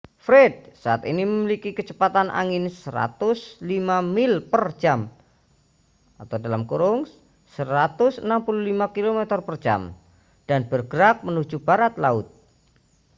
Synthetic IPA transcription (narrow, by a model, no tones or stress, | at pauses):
fɾɛd̚saat̪iniməmilikikət͡ʃəpat̪anʔa̰ŋɪnsəɾa̰t̪ʊslimamɪlpər̥d͡ʒ̥am | at̪awdalamkuɾʊŋ | səɾat̪ʊsənampululimakilomɛt̪ərpərd͡ʒa̰m | d̥anb̥ərɡ̥əɾak̚mənu̥d͡ʒub̥aɾat̪laʊt̪̚